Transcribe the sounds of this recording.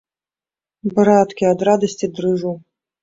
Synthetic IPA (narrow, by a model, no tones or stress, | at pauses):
bɾat̪kʲiad̪ɾad̪ɐsʲt͡sʲid̪ɾɨʐuw